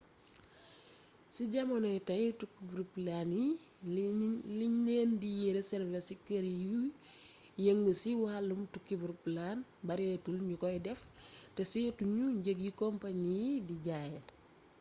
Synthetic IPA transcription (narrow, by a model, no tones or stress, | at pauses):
siɟɐmɐnɔjtɐɲjutukːibuɾplanji | liɲeːndijiɾɐsɛɾvɛsikəɾiju | jeŋɡusiwalːumtukːibuɾplanbɐɾɛtulɲukɔjdɛftɛsituɲuɲɟəɡjikɔmpaɲidiɟaːjɛ